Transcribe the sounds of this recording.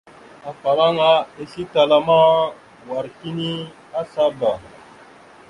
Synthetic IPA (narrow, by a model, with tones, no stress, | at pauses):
a˨fa˨ɓa˦ŋa˦e˦si˦ta˧la˨ma˦ | wa˨ɾki˦ni˦ | a˦sa˦ba˨